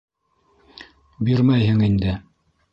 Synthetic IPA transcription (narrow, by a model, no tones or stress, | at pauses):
biɾmæjɦɘŋind̪ɘ